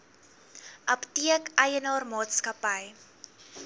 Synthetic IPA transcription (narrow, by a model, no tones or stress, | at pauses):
ʔɐptiəkɐjənɑːrmɑːtskɐpəj